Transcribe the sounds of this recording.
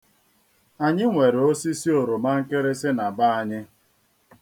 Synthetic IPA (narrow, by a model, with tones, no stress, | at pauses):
a˨ɲɪ˦ŋʷe˨ɾo˦si˦si˦o˨ɾo˨ma˦ŋ̩˦kɪ˦ɾɪ˦sɪ˦na˨ba˦a˨ɲɪ˦